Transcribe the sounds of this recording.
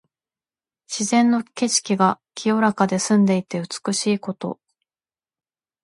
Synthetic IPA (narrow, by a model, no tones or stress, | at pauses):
ɕizẽ̞nːo̞ke̞ɕi̥kʲiɡakʲʰijo̞ɾakad̪e̞sɨ̃nd̪e̞it̪e̞ɯ̟t͡sɨ̥kɯ̟ɕiːko̞t̪o̞̰